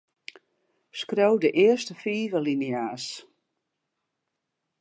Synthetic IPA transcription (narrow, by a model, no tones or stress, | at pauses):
skrowdəʔɪəstəfiːvəliniaːs